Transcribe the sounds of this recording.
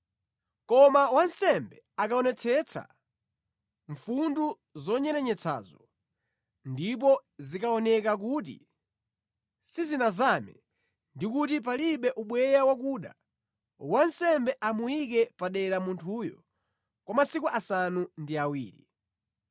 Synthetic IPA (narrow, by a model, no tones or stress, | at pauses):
kɔmawansɛmbɛ | akaɔnɛt͡sʰɛt͡sʰa̰ | ɱfundu | zɔɲɛɾɛɲɛt͡sʰa̰ːzɔ | ndip̬ɔzikaɔnɛkak̬ut̬ḭ | sizinazamɛ̰ | ndikutip̬aliɓɛʔuɓwɛjawak̬uɗa̰ | wansɛmbɛʔamujik̬ɛpaɗɛɾamuntʰujɔ | kwamasikuʔasanundiawiːɾḭ